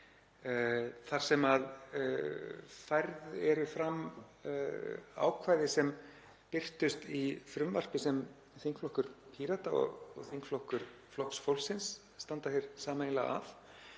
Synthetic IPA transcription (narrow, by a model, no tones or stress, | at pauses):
θaɾ̥sɛmað | fajɾðɛɾʏfɾam | a̰ːwkʰvaːjðɪsɛm | pɪr̥t̪ʏst̪ifɾʏmvar̥pɪsɛm | θiŋkflɔhkʏɾpʰiɾat̪aɔ̰ɣɔ̰ɣθiŋkflɔhkʏɾ̥ | flɔhksfowlsɪnsː | t̪ant̪afjeɾ̥saːmaejnla̰a̰f